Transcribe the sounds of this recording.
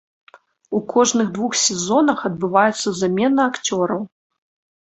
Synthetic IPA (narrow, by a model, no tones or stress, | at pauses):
ukʰɔʐnɨɣd̪vuxsʲɛzɔnɐxɐd̪̚bɨvajɛt̪sːɐzamʲɛnɐakt͡sʲɔɾɐw